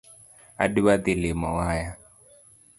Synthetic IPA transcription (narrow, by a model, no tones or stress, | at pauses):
a̰diβat̪elemɔwaja